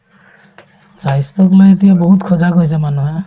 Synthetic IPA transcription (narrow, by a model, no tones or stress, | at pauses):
zajstɔklojetijabɔɦutkʰɔzakojsɛmanuɦa